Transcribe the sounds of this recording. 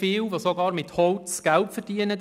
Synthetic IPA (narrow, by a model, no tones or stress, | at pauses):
ɪːwʋosoɡɑːɾmɪt̪hɔwt̪t͡sɡ̥ælpfədiənə